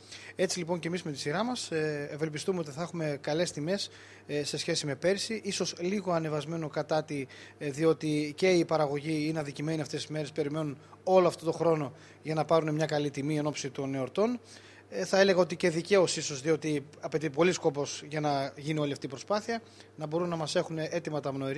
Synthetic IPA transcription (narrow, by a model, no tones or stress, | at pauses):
e̞t͡silipo̞ɲcemizme̞t̪isiɾɐmɐsve̞lpist̪ume̞o̞t̪iθɐexume̞kɐle̞st̪ime̞s | se̞sçe̞sime̞pe̞ɾisiʔiso̞sliɣo̞ɐne̞vɐzme̞no̞kɐt̪ɐt̪iðio̞t̪ice̞ipɐɾɐɣo̞ʝiinɐnðicime̞niɐft̪e̞si̥zme̞ɾe̞spe̞ɾime̞nun | o̞loɐft̪o̞t̪o̞xɾo̞no̞ | ʝɐnɐpɐɾune̞mɲɐkɐlit̪imie̞no̞psit̪o̞ne̞o̞ɾt̪o̞n | θɐe̞le̞ɣɐo̞t̪ice̞ðice̞o̞siso̞zðio̞t̪iɐpe̞t̪ipo̞lisko̞po̞sʝɐnɐʝinio̞liɐft̪iːpɾo̞spɐθiɐ | nɐbo̞ɾunːɐmɐse̞xune̞ʔet̪imɐt̪ɐmno̞iɾ